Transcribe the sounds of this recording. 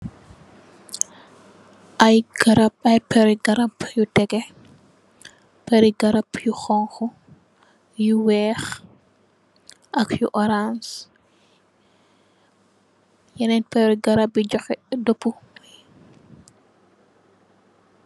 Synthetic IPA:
ʔajɡaɾapɐjpɛɾiɡɐɾapjutɛɡɛ | pɛɾiɡɐɾapjuxɔŋxɔ | juwɛx | ʔɐkjṵʔɔɾans | jɐnɛnpɛɾiɡɐɾap̚bid͡ʒɔxɛdopːu

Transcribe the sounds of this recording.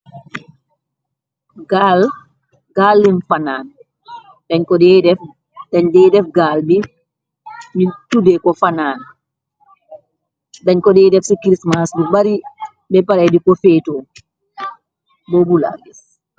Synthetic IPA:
ɡal | ɡalːinfanaːn | daɲkɔdɛdɛf | daɲdɛdɛfɡaːlbi | mintudɛkɔfanaːn | daɲkɔdɛjdɛfsikɾismasbibaɾi | bɛpaɾajdikɔfɛːtɔ | bɔbula̰ɡis

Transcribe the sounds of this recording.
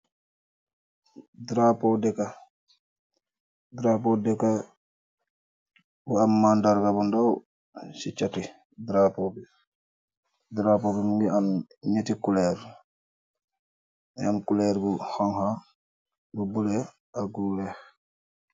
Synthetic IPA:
dɾapodɛka | dɾapodɛka | buamːandaɾɡabundaw | sit͡ʃati | dɾapɔbi | dɾapɔbimuŋɡianɲetikulɛɾ | ankulɛɾbuhɔŋha | bubulɛ | aɡulɛx

